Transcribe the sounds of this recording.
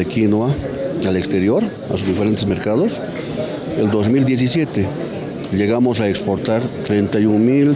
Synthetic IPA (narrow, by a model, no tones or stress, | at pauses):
ekinwaalekst̪eɾjoɾ | a̰suzdifeɾe̞nt̪esmeɾkað̞os | eld̪ozmild̪jes̬isjet̪e | ʎeɣamosaekspoɾt̪aɾt̪ɾent̪ajuŋmil